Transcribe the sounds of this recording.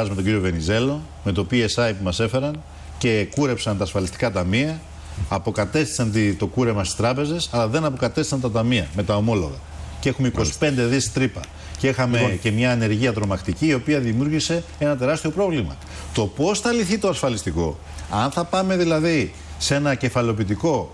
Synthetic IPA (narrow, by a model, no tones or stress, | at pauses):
ɐzmet̪oɲɟiɾio̞ve̞nize̞lo̞ | me̞t̪o̞pie̞sɐjpmɐse̞fe̞ɾɐn | ce̞kuɾe̞psɐnt̪ɐːsfɐlist̪i̥kɐt̪ɐmiɐ | ɐpo̞kɐt̪e̞st̪i̥sɐnt̪it̪o̞kuɾe̞mɐst̪i̥st̪ɾɐpe̞ze̞sɐlɐðe̞nɐpo̞kɐt̪esisɐnt̪ɐt̪ɐmiɐme̞t̪ɐo̞mo̞lo̞ɣɐ̰ | ce̞xumeiko̞si̥pe̞nd̪e̞ðist̪ɾipɐ̰ | cexɐmece̞mɲɐːne̞ɾʝiɐðɾo̞mɐkt̪iciːo̞piɐðimjuɾʝise̞ | e̞nɐt̪e̞ɾɐst̪io̞pɾo̞vlimɐ̰ | t̪o̞po̞sθɐliθit̪o̞ɐsfɐlist̪iko̞ | ɐnθɐpɐme̞ðilɐði | se̞nɐce̞fɐleo̞pit̪̬iko̞